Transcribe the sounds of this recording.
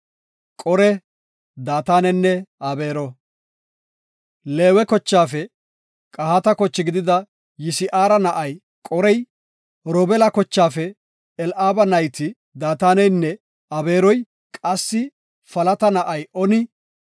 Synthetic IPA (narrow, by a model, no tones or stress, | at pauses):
kʼɔɾɛ | d̪aːt̪aːnɛnːɛɐbe̞ːɾɔ | le̞ːwɛkɔt͡ʃːaːfɛ | kʼɐhat̪ɐkɔt͡ʃːɪɡɪd̪ɪd̪ɐ | jɪsɪʔaːɾɐnɐʔɐj | kʼɔɾɛj | ɾɔbɛlɐkɔt͡ʃːaːfɛ | ɛlʔaːbɐnɐjt̪ɪ | d̪aːt̪aːnɛjnːɛ | ɐbe̞ːɾɔj | kʼɐsːɪ | fɐlɐt̪ɐnɐʔɐjɔnɪ